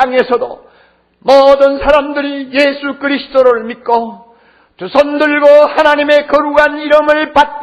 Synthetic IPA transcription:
aŋe̞sʰʌdo̰ | mʌdɯnsʰaɾamdɯɾijesʰukɯɾisʰɯ̥d͈oɾɯɭmit̚k͈o | t͡ɕusʰʌndɯɭɡohanaɲime̞kʌɾuɡaniɾɯmɯɭpat̚k͈

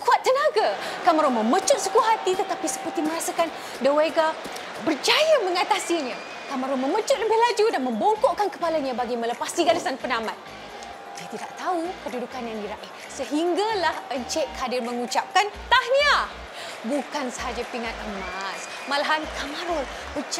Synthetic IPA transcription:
kuat̪ːənaɡakamaɾɔnmə̃mət͡ʃʊt̪̚sukuɦat̪it̪ət̪apisə̥pərt̪imə̃ɾasakan | dəweɡa | bərd͡ʒajaməŋat̪asiɲã | kamaɾɔnməmət͡ʃʊt̪̚ləbɪhlad͡ʒudanmə̃mboŋkoʔkankəpalaɲãbaɡimə̃ləpasiɡalasanpənamat̪̚ | diat̪idaʔt̪aukədudukanjãndiɾaʔɪh | səɦiŋɡalahəɲt͡ʃɛʔkadɪrməŋut͡ʃap̚kant̪ahɲa | bukansəɦad͡ʒapinat̪̚əmas | malaɦankamaɾɔn | bət͡ʃ

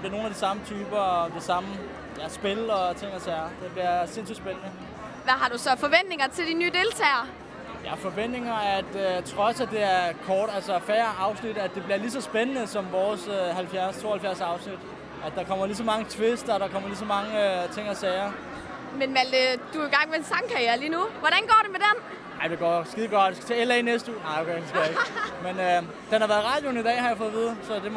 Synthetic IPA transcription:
d̥eɐno̝ːnæd̥isɑ̈mət͡sʰyːb̥ɐɒd̥esɑ̈mə | jæsb̥e̝lɒ̽t͡sʰe̝ŋ̰æsɛːɐd̥e̝b̥liɐse̝n̰sid̥sb̥enənə | ʋæɦɑ̈ɾ̥usɒ̽fɒ̽ʋen̰d̥ne̝ŋɐt͡sʰe̝ld̥inːy̰ːd̥e̝lt͡sʰɛ̰ːɪɐ | jæfɒ̽ʋen̰d̥ne̝ŋɐæd̥t͡sʰʁɒ̽sæd̥ːe̝æɐkʰɒːɾ̥ælsɒfæːɐɑ̈ʊsnid̥æd̥ːe̝b̥liɐlisɒ̽sb̥enənəsɒ̽mʋɒːshælfjæɐ̰st͡sʰo̝̰ːhæl̩fjæɐsɑ̈ʊsnid̥ | æd̥ɑ̈kʰɒ̽m̰ɐlis̬ɒ̽mɑ̈ŋət͡sʰʋe̝sd̥ɐɾ̥ɑ̈kʰɒ̽m̰ɐlis̬ɒ̽mɑ̈ŋəøt͡sʰe̝ŋ̰æsɛɪɐ | menʋæld̥əd̥uiɡ̥ɑ̈ŋ̰ʋeensɑ̈ŋkʰɑjeɐliːnuʋɒɾ̥ænɡ̥ɒ̰ːd̥emed̥en | ɑ̈ɪd̥e̝ɡ̥ɒ̰ːsɡ̥iðˠɡ̥ɒ̽d̥d̥esɡ̥æ̥t͡sʰɛ̰ːelɛɪnesd̥əṵːnɑ̈ɪokʰeɪ̥enskɡæeɡ̥menø | d̥enhɑ̈ʋæːɐðˠʁɑ̈ːd̥jon̩id̥ɛ̰ːhɑ̈jɑfɔ̽ːðˠʋið̞ˠsɒ̽d̥e̝

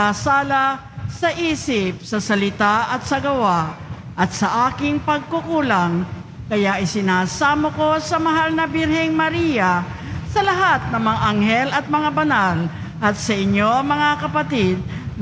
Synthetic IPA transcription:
aːsaːlɐ | sɐʔiːsɪp̚sɐsɐlɪt̪aʔɐt̪̚sɐɡɐwa | ʔɐt̪̚sɐʔaːkɪŋpɐɡ̚kʊkuːlɐŋ | kɐjaʔɪsɪnaːsaːmoko̞sɐmɐɦalnɐbɪɾhɛŋmɐɾijɐ | sɐlɐɦat̪̚nɐŋmɐŋaʔɐŋhɛlɐt̪̚mɐŋabɐnal | ʔɐt̪sɐʔɪɲːoɐŋmɐŋakɐpɐt̪id̪̚n

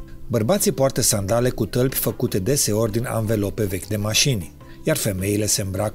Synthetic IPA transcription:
bərbat̪sipoart̪əsand̪ale̞kut̪əlpʲfəkut̪e̞d̪e̞se̞o̞rʲd̪ina̰nve̞lo̞pe̞ve̞kʲd̪e̞maʃinʲ | jarfe̞me̞ile̞se̞mbɾak

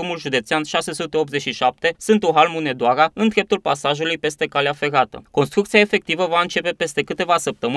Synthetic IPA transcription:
mulʒud̪e̞t̪seanʃase̞sut̪e̞o̞p̪̚ze̞t͡ʃʲʃiʃap̚t̪e̞sɨnt̪oɦalmune̞d̪oaɾaɨnd̪ɾe̞p̚t̪ulpasaʒulujpe̞st̪e̞kaleafe̞ɾat̪ə̰ko̞nst̪ɾukt̪siaefe̞k̚t̪ivəvaɨnt͡ʃe̞pe̞pe̞st̪e̞kɨt̪e̞vasəp̚t̪əm

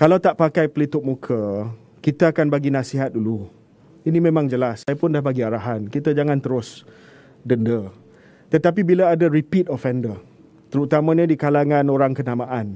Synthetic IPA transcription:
kalawt̪aʔpakajpəlit̪ʊʔ̚mukʰə | kit̪aakanbaɡinãsiɦat̪̚dulu | inimẽmãŋd͡ʒəlasːajapʊndahbaɡiaɾaɦankit̪ad͡ʒaŋant̪əɾʊs | dəndə | t̪ət̪ap̬ibilaːdaɾipit̪ɔfɛndə | t̪əɾut̪amãɲədikalaŋãnoɾaŋkənamaʔan

